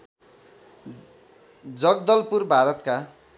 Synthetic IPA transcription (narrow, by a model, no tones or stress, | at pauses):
d͡zʌɡd̪ʌlpurbʱaɾʌt̪ka